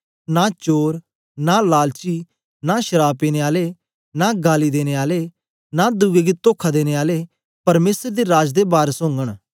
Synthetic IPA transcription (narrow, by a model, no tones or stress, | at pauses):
nat͡ʃoːɾ | nalaːlt͡ʃi | naʃəɾaːpiːneaːle | naɡaːlid̪eːneaːle | nad̪uɡeɡit̪oːkʰad̪eːneaːle | pɐɾmeːsəɾd̪iɾaːd͡ʒd̪ebaːɾsõːŋɡəɽ̃